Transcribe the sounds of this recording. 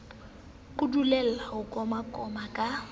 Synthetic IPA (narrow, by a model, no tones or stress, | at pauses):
kʼudulɛl̩aʊkʼɔmakʼɔmakʼa